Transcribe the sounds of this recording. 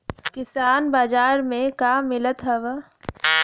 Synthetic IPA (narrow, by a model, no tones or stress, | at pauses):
kɪsaːnbaːd͡ʒaːɾmẽkaːmɪlət̪ɦɛʋə